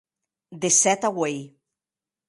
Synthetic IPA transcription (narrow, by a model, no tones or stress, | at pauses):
d̪esɛt̪awej